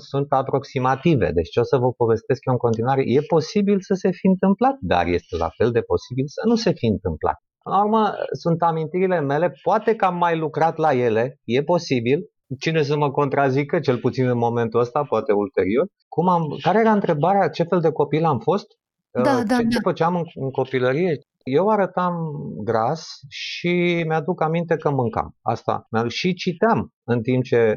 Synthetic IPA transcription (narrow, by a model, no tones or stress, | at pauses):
sunt̪apɾo̞ksimat̪ive̞̰d̪et͡ʃʲt͡ʃo̞səvəpo̞ve̞st̪e̞skjoɨŋko̞nt̪inwaɾe̞̰je̞po̞sibilsəse̞fiɨnt̪ɨmplat̪̚d̪a̰rje̞st̪e̞la̰fe̞ld̪e̞po̞sibilsənuse̞fiɨnt̪ɨmpla̰t̪̚pɨnlaurmə̰sunt̪amint̪iɾileme̞le̞poat̪e̞kəamːajlukɾat̪laje̞le̞je̞po̞sibil | t͡ʃine̞s̬əməko̞nt̪ɾazikət͡ʃe̞lput̪sinɨnmo̞me̞nt̪uəst̪apoat̪e̞ult̪e̞̰ɾio̞r | kumamkaɾe̞jeɾaɨnt̪ɾe̞baɾeat͡ʃe̞fe̞ld̪e̞ko̞pilamfo̞st̪ | d̪ad̪edefət͡ʃeamɨnɨŋko̞piləɾije̞ | je̞waɾət̪amɡɾasʃimead̪ukamint̪e̞kəmɨŋka̰ma̰st̪a̰meaʃit͡ʃit̪eam | ɨnt̪imp̚t͡ʃe̞